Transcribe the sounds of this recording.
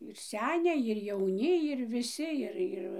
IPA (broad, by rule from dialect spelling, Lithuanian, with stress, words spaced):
ɪr ˈsʲæːnʲɛɪ ɪr jɛʊˈnʲɪ ɪr ʋʲɪˈsʲɪ ˈɪr ˈɪr